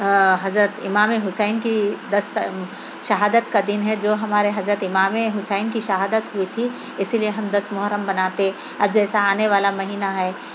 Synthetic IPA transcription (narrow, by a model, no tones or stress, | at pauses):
ɦɐzɾət̪ɪ̰maːmeɦʊsɛːnkid̪ɐs | ʃɐɦaːd̪ət̪kad̪ɪnɦɛd͡ʒoːɦɐmaːɾeɦɐzɾət̪ɪmaːmeɦʊsɛːnkiʃɐɦaːd̪ət̪ɦʊit̪ʰi | ɪsilieɦɐmd̪ɐsmʊɦɾəmbɐnaːt̪eɦɛ̃ | ɐbd͡ʒɛːsaaːneʋaːlamɐɦiːnaɦɛː